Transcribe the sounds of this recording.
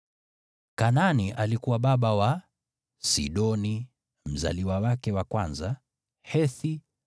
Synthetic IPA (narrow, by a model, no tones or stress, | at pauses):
kananiʔalikuwaɓaɓawa | sḭɗɔni | m̩za̰liwawakɛwakwanza | hɛθi